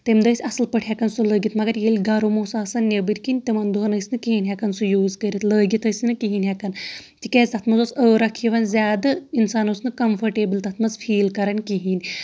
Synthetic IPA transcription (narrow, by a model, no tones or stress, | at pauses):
t̪emd̪ɐsʲɐslpəʈʰʲjɛkɐnsuləːɡʲit̪mɐɡɐɾjelʲɡɐɾomoːsaːsɐnʲːebɨɾʲkinʲt̪emɐnd̪uɦɐnɐsʲnɨkiɦinʲɦɛkɐnsujuːzkəɾʲit̪ləːɡʲit̪əːsʲnɨkiɦinʲɦɛkɐnt̪ikeːzʲt̪ɐt̪mɐzosəːɾɐkʰiʋɐnzʲaːd̪ɐinsaːnosnɨkɐmfʰɐɾʈeːbɨlʲt̪ɐt̪ʰmɐzfʰiːlkɐɾɐnʲkiɦinʲ